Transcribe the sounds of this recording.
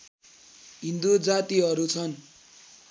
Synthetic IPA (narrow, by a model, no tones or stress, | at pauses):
ɦind̪ud͡zat̪iɦʌɾut͡sʰʌn